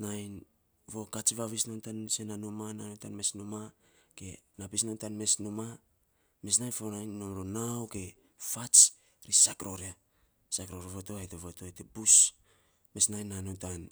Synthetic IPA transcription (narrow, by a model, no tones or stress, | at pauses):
najn | vo̞kat͡ʃβaβisnontansenanumananotanme̞snuma | ke̞napisnontanme̞snuma | me̞snajnfonajnːomɾonawke̞ | fat͡ʃ | ɾisakɾo̞ɾea | sakɾoɾeβoto̞ajteβoto̞tebus | me̞snajnːanontan